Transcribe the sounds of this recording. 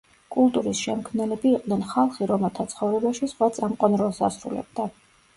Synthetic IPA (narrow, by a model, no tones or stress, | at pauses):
kʼulˠt̪ʼuɾisʃɛmkʰmnɛlɛbiːqʼd̪nɛnχalˠχiɾɔmɛlˠt̪ʰat̪sʰχɔvɾɛbaʃisχwat̪sʼamqʼɔnɾɔlˠsa̰sɾṵlɛ̰b̚d̪a